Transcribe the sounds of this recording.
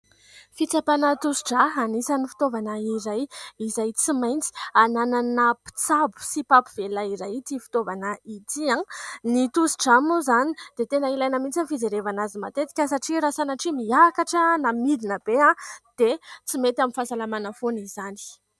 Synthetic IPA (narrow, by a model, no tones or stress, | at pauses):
fit͡sapanət̪usi̥ʈ͡ʂaɦanisanifi̥t̪ovanəiɾajizajt͡simajnt͡si̥anananapi̥t͡sabu̥sipapiv̥elaiɾajt̪ifi̥t̪ovanəit̪iãnit̪usiʈ͡ʂamuzanid̪̥et̪enəilajnəmint͡sifizeɾevanazimat̪et̪i̥kʲəsaʈ͡ʂiɾasanaʈ͡ʂimiakaʈ͡ʂənamid̪inəbeãd̪̥et͡simet̪aminfasalamanəfonizani̥